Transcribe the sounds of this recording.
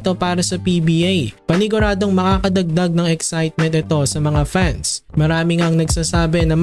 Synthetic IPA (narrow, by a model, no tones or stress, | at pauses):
t̪o̞paːɾɐsɐpiːbiʔajpɐnɪɡʊɾaːd̪o̞ŋmɐkaːkɐd̪ɐɡ̚d̪aɡ̚nɐŋɛksajt̪̚mɛnt̪ʔɛt̪o̞sɐmɐŋafansmɐɾaːmɪŋaɐŋnɐɡsaːsaːbɛnɐm